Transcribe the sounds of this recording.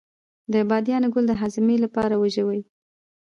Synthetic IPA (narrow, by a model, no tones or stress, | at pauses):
d̪əbɑd̪jɑnɡʊld̪əɦazɪmelapɑɾawaʒəwəji